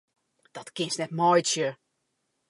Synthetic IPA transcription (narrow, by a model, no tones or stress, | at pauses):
d̥ɔtkɪnsnɛtmɔjsjə